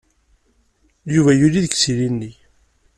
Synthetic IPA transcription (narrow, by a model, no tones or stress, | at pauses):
juvæjuliðəksilinːi